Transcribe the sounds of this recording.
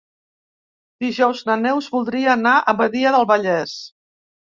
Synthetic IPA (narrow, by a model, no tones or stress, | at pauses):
d̪iʒɔwznənɛwzβulˠd̪ɾiəːnaʔəmbəðiəðəlˠβəʎɛs